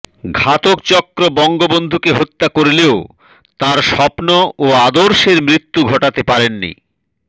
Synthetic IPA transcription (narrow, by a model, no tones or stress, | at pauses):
ɡʱat̪okt͡ɕɔkɾobɔŋɡobond̪ʱukeɦot̪ːakoɾleo | t̪aɾʃɔpnoːad̪oɾʃeɾmɾit̪ːuɡʱɔʈat̪epaɾenːḭ